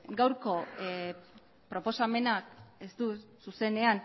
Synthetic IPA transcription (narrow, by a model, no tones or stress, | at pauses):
ɡawɾko̞ | pɾo̞po̞same̞nakest̪ususe̞ne̞an